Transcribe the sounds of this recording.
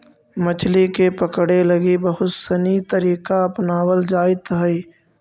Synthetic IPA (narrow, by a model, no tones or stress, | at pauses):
mət͡ʃʰlikepəkɽeləɡibəɦʊt̪sənit̪əɾiːkaɐpnaːwəld͡ʒaːɪt̪ɦəi